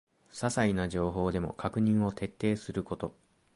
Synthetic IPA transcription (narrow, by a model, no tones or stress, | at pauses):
sasainaʑo̞ːɦo̞ːd̪e̞mo̞̰kʰakɯ̟ɲ̟ĩɰ̃o̞t̪ʰe̞t̪ːe̞ːsɨɾɯ̟ko̞t̪o̞